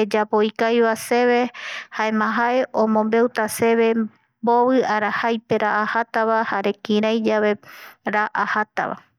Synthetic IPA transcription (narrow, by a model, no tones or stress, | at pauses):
ed͡ʒapoikajβase̞βe̞haemãɦaeʔõmõ̞mbe̞wt̪ase̞βe̞ | boβɨaɾahajpe̞ɾaʔahat̪aβahaɾe̞kĩɾajd͡ʒaʋe̞ɾaʔahat̪a̰βa̰